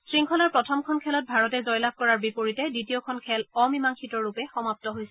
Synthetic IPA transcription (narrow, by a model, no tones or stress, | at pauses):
sɹiŋkʰɔlaɹpɹɔtʰɔmkʰɔnkʰɛlɔt̚bʱaɹɔtɛzɔjlab̚kɔɹaɹbipoɹitɛditijɔkʰɔnkʰɛlɔmimaŋkʰitɔɹːupɛxɔmap̚tɔɦojsɛ